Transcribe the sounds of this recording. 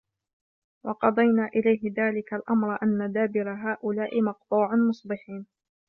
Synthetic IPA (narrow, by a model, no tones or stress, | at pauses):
wɑqɑd̪ˤɑjnaːʔɪlajɦɪðaːlɪkalʔamɾˤʔanːad̪aːbɪɾaɦaːʔʊlaːʔɪmɑqt̪ˤuːʕanmʊsˤbɪħiːn